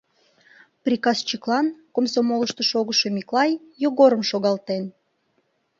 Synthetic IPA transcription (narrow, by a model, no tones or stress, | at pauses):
prʲikɑst͡ɕiklˠɑnkomsomoləʃt̪oʃoɣəʃomʲiklˠɑjːoɣoɾəmʃoɣɑlt̪en